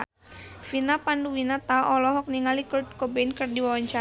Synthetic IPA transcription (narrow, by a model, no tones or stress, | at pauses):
finapanduwinat̪aʔɔlɔɦɔk̚niŋalikɔd̚kobenkɨrdiwawaɲt͡ʃa